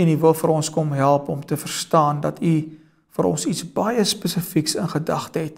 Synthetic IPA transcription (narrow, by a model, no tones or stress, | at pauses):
ənivəlˠfəɾɔnskɔmɦælˠpɔmtəfərstɑːndɐtʰy | fəɾɔ̰nsitsb̥ɐjəspəsəfiksənχədɐχtɦɛt̚